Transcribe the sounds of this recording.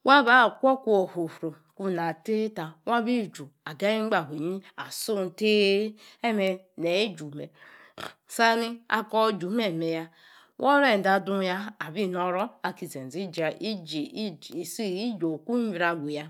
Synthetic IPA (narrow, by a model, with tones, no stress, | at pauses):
wʔa˦ba˦˨kʷɔ˦kʷu˦o˨ho˨fɾo˨ | ku˦˨na˨te˦ta˨wa˦bi˦˨d͡ʒu˨a˨ɡa˦i˦ŋ͡m̩˦ɡ͡ba˨ɦe˨ɲi˦a˨su˦n̩˨te˦e˦me˨ | ne˨e˦d͡ʒu˨me˨ | sa˦ni˦a̰˦kɔ˦d͡ʒu˨˦me˦˨me˨ja˦ | wʔɔ˦ɾe˦n̩˨da˨du˦ja˦a˨bi˦˨nɔ˦ɾɔ˦a˨ki˨ze˨n˨zi˦d͡ʒa˨ʔi˦d͡ʒsi˦i˦d͡ʒo˨kʷu˦i˨ɾa˨ɡʷu˨ja˦